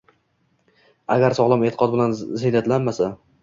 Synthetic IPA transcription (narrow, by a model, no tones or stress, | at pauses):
aɡʲaɾsɒʁlˠamet̪ʰɪ̥qɒt̪̚bɪlanzɪnat̪lanmasa